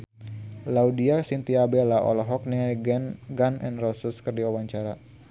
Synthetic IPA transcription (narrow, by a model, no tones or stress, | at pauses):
laudiasint̪iabelaʔɔ̰lɔɦɔk̚niŋajɡɛnɡanɛ̰nrɔsəskərdiawaɲt͡ʃaɾa